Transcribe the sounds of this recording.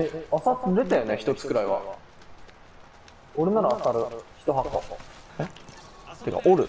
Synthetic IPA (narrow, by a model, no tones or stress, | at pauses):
easatɾet̪ajoneçi̥t̪o̞t͡sɨ̥kɯ̟ɾaiβa̰ | oɾenaɾaːsaɾɯ̟çi̥t̪o̞ɦakːo | t̪eka̰ʔoɾɯ̟